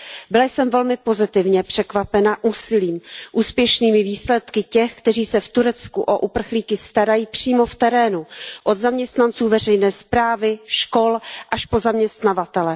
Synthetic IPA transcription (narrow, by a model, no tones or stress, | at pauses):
bɪlajsɛmvɛlmɪpo̞zɪt̪ɪvɲɛpr̝̥ɛkvapɛnaʔuːsɪliːmʔuːspjɛʃniːmɪviːslɛt̪kɪcɛxkt̪ɛriːsɛft̪uɾɛt͡skuʔoʔupr̩xliːkɪst̪aɾajiːpr̝̥iːmo̞ft̪ɛɾɛːnuʔo̞d̪zamɲɛst̪nant͡suːvɛrɛjnɛːspɾaːvɪʃko̞lʔaʃpo̞zamɲɛst̪navat̪ɛlɛ